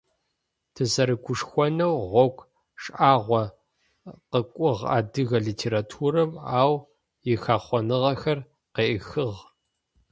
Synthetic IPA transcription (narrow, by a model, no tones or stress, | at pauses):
tʰɨzɐɾɨɡʷʰʊʂxʷɔnɐwʁʷɔkʷʰ | ʂʼʔaːʁʷɔ | qəkʷʼʊʁa̰ːdɨɣɐɮiːtʰeːɾatʰuːɾɐmaːw | jɪxaːχʷɔnɨʁɐxɐr | qeːʔixɨʁ